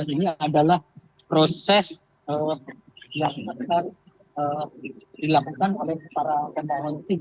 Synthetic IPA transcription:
iniadalah | pɾosɛs | ə | laatar | ədilakukanolɛhpaɾapənaɦɔnt̪i

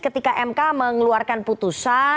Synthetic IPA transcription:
kət̪ikaʔɛmkaməŋluarkanput̪usa

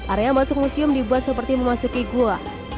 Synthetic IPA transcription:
ʔaɾeamasʊk̚musiʊmdibuat̪̚səpərt̪iməmasukiɡua

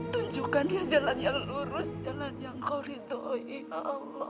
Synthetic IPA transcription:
t̪uɲd͡ʒukanjad͡ʒalanjaŋluɾʊsd͡ʒalanjaŋkawɾit̪oʔiaʔalɔ

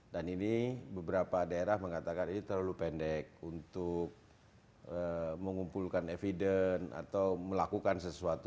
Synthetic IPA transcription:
daninibəbəɾapadaeɾahməŋat̪akaninit̪ərlalupɛndɛk̚unt̪ʊk̚ | əməŋumpulkanefidəna̰t̪awməlakukansəsuat̪u

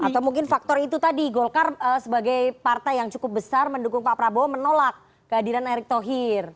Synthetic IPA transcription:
at̪awmuŋkɪnfak̚t̪ɔrit̪ut̪adiɡolkarəsəbaɡajpart̪ajaŋt͡ʃu̥kʊp̚bəsarməndukʊŋpapɾabomənolak̚ːəadiɾanɛɾɪk̚t̪oɦɪr

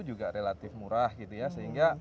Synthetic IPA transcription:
ud͡ʒuɡaɾelat̪ɪfmuɾahɡit̪ujasəɦiŋɡa

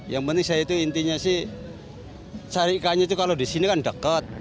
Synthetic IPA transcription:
jaŋpənt̪ɪŋsajait̪uint̪iɲasɪh | t͡ʃaɾiʔkaɲait̪ukalodisinikandəkət̪̚

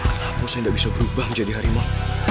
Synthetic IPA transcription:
posindaʔbisabəɾubahməɲd͡ʒadiɦaɾima

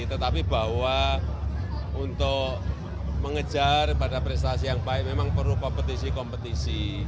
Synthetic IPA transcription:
t̪ət̪apib̥a̤wa | unt̪ʊʔ | məŋəd̥ʒ̥a̤rpadapɾɛst̪asijaŋpaɪmemaŋpərukɔmpət̪isikɔmpət̪isi

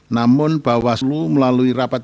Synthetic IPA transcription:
namʊnb̥a̤wasuluməlaluirapat̪̚

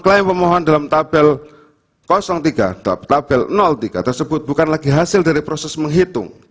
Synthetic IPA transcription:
klaɪnpəmɔɦɔndalamt̪ab̥ɛl | kɔsɔŋt̪iɡ̥a̰dt̪ab̥ɛlnɔlt̪iɡ̥a̰t̪ərsəbʊt̪̚b̥ukanlaɡiɦasɪldaɾipɾɔsɛsməŋɦit̪ʊ̰ŋ

